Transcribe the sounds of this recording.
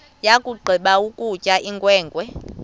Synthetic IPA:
jakʼuɡ͡ǃʱiɓaukʼucʼaʔiŋɡʼwɛːŋɡʱwɛ

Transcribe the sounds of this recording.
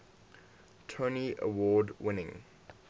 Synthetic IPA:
tʰoniʔə̰wɔːdwɪnɪ̃ŋ

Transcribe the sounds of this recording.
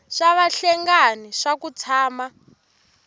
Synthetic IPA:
ʂaβaɬɛŋɡaniʂakut͡sʰaːma

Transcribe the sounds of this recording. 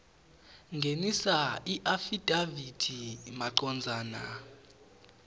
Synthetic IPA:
ŋɡʱenisaiʔafid̥ʱavid̥ʱimaǃɔnd͡zʱaːna̰

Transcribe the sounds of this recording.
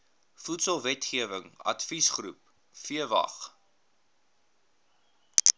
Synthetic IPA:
futsəlˠvɛtχiəvəŋɐ̰tfisχrṵp̚ | fiəvɐ̰χ

